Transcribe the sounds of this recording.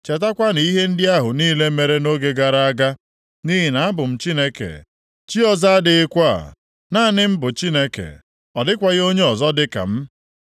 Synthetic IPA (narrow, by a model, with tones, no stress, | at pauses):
t͡ʃe˨ta˦kʷa˦ni˨i˦ɦe˦n̩˦dɪ˦a˦ɦʊ˨niː˦le˦me˨ɾe˦no˦ɡe˦ɡa˨ɾa˦a˦ɡa˦ | ni˦ɦi˨na˨a˦bʊ˨m̩˨t͡ʃi˦ne˦kḛ˨ | t͡ʃi˦ɔ˦za˦a˦dɪ˨ɪ˦kʷa̰˦˨ | naː˦˨nɪ˦m̩˦bʊ˨t͡ʃi˦ne˦kḛ˨ | ɔ˨dɪ˦kʷa˦ɣo˦ɲe˦ɔ˨zɔ˦dɪ˦ka̰˨m̩˦